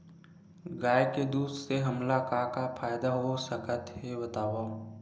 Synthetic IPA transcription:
ɡaːjked̪uːd̪seɦɐmlakakapʰaːjd̪aɦosəkət̪ɦebət̪aːʋa

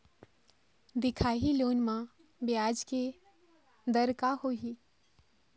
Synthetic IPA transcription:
d̪ɪkʰaːɦiloːnmã | bjaːd͡ʒke | d̪əɾkahoɦi

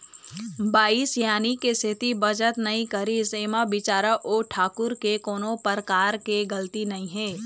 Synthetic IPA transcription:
baːisjaːnikest̪ʰɪt̪ibəd͡ʒət̪nɐɦĩkəɾiseːmabɪt͡ʃaːɾəʔoːʈʰaːkʊɾkekoːnõpəɾkaːɾkeɡəlt̪inɐĩɦẽː

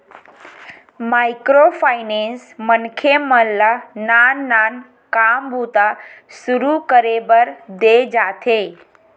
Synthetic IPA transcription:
maɪkɾopʰaɪnensmənkʰeməllananːan | kambʱut̪asʊɾukəɾebəɾd̪ed͡ʒaːt̪ʰe

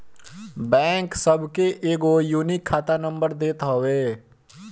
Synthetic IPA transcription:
bɛ̃ːŋksəbʱkeʔeːkojuːnɪkʰːaːt̪anə̃mbəɾd̪eːt̪ɦoʋeː

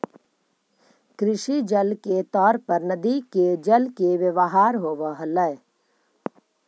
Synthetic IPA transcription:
kɾɪʃid͡ʒəlket̪ɔːɾpəɾnəd̪iked͡ʒəlkeʋəʋəɦaːɾɦoːʋəɦələ

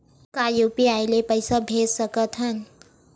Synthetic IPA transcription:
kajupiajlepəjsabʱezsəkət̪ʰɦən

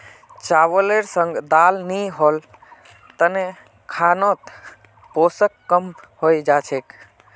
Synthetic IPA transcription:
t͡ʃaʋəleɾsə̃ŋɡd̪alniɦol | t̪əne | kʰanot̪ | posəkːəmhojd͡ʒat͡ʃʰek

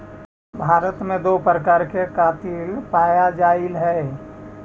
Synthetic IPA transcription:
bʱaːɾət̪mẽd̪oːpɾəkaːɾkekaːt̪ilpaːjad͡ʒaːɪlɦɛː

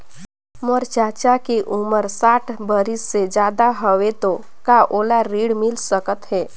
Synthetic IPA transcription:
məɾt͡ʃat͡ʃakeʔuməɾsaːʈʰbəɾisːed͡ʒjad̪aɦəʋet̪o | kaʔolaɾiɽmɪlsəkət̪ɦɛː

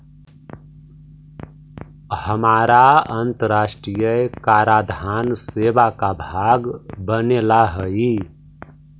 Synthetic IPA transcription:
həmaːɾaənt̪əɾaːʃʈɾijəkaːɾad̪ʱaːnseːbakabʱaːɡbənelaɦəi

